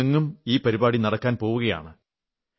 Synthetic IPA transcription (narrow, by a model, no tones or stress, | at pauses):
ɐŋːumiːpɐɾibaːɽinɐɽɐkːaːnpo̞ːʋuɣɐja̰ːɳɨ